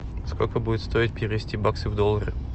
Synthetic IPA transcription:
sko̞lʲkəbudɪt̪st̪o̞ɪt̪̚pʲɪɾʲɪvʲɪsʲtʲibaksɨvd̪olˠːəɾə

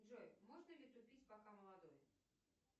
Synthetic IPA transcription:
ʐojmoʐnəlʲɪt̪ʊpʲitʲpakaməlˠad̪oj

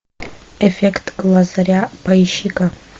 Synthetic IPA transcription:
efekʰtʼɡlazarʲapʰajʃikʼa

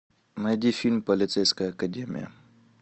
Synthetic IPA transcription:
mɛd̪ʲifʲilʲmpɐlʲit̪sɛjsʲkɐjəɐkɐdʲemʲḭjə̰

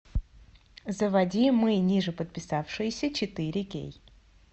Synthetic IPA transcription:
zəvɐdʲimɨnʲiʐɨpət̪̚pʲɪsafʂɨjɪsʲət͡ɕɪt̪ɨɾʲɪkʲḛj

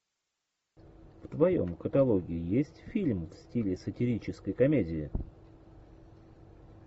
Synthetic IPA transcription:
ft̪vɐjo̰mkət̪ɐlˠoɡʲɪɪjesʲtʲfʲilʲmfsʲtʲilʲɪsətʲɪɾʲit͡ɕɪskəjkɐmʲedʲɪɪ

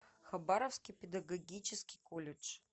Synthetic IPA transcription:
xɐbaɾəfskʲipʲɪd̪ɐɡɐɡʲit͡ɕɪskʲɪjkolʲɪt͡ʂ

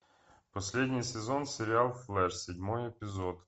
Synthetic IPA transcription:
pɔsʲlʲɛdʲnʲijsezɔnseɾʲɪɑlˠflˠɛʃsʲɛdʲmɔjepʲizɔd̪

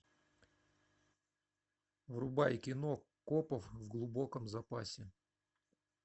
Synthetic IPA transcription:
vrʊbajkʲɪnokopəfvɡlˠʊbokəmzɐpasʲɪ

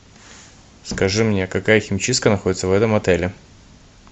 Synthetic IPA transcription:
skɐʐɨmnʲekɐkajəxʲɪmʲt͡ɕis̚kənɐxo̞dʲɪt̪səvɛt̪əmɐt̪ɛlʲɪ

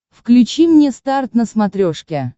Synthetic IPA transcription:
fklʲʉt͡ɕimnʲest̪art̪nəsmɐt̪ɾʲoʂkʲɛ

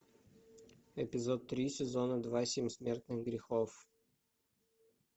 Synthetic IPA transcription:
ɪpʲɪzot̪ːɾʲisʲɪzonəd̪vasʲemʲsmʲe̞rt̪nɨxɡɾʲɪxof

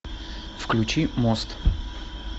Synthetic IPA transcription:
fklʲʉt͡ɕimost̪

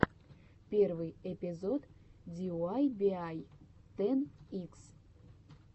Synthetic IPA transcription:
pʲervɨjepʲizod̪d̪ʲioajbʲeajt̪ɛniks

